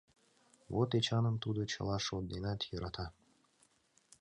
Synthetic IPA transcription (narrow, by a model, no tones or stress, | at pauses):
βot̪et͡ɕɑnə̆nt̪ud̪ot͡ɕɤ̰̆lˠɑʃod̪̚d̪enɑt̪jɤɾʔɑt̪ʰɑ